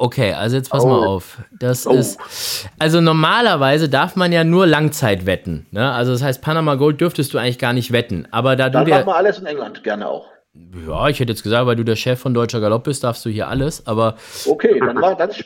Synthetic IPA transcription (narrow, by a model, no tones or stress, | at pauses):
ʔokʰeːʔa̰lzojɛt͡spʰasmaʔa̰ʊfd̥asɪstʔalzonɔɐmaːlɐvaɪzədaɐfmanjaːnuːɐlaŋt͡saɪtv̥ɛtn̩nəʔalzodas̬ɦaɪst̚pʰanamaːɡoːlt̚d̥ʏɐftəstd̥uːaɪŋlɪçɡ̥aːɐnɪçtv̥ɛtn̩ʔʔa̰ːbɐdaːduaːdiːmanaləsɪnɛŋlantɡ̥ɛɐnə̰ʔa̰ʊx | ja̰ːɪçhɛtəjɛt͡sɡ̥əzaːktv̥aɪlduːdeːɐʃɛfːɔndɔʏt͡ʃɐɡalɔp̚b̥ɪstd̥aɐfsd̥uːhiːɐʔa̰ləsʔaːbɐʔokʰeːdanaːɡan